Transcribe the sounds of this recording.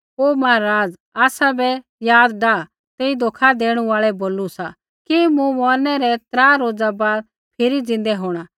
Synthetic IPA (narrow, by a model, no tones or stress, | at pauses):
oːmaaɾaːd͡z | aːsabɛ | jaːd̪ɖaː | t̪eːid̪oːkʰad̪eːɽ̃ũaːɭɛboːlusa | kemũmɔːɾnɛɾɛt̪ɾaːɾoːd͡zabaːl | pʰɪɾid͡zɪ̃n̆d̪ɛɦoːɽ̃a